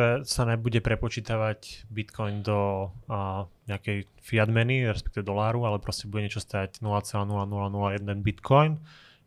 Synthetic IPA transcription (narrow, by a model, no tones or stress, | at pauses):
ɛsanabuɟɛpɾɛpɔt͡ʃiːt̪aʋaɟbit̪kʰɔjnd̪ɔ | ɲɛakɛj | fiad̪mɛniɾɛspɛ̥k̚t̪iʋɛd̪ɔlaːɾualɛpɾɔscɛbuɟɛɲɛt͡ʃɔst̪aɟnulaːt͡sɛlaːnulanulanulajɛd̪ɛnbit̪kʰɔjn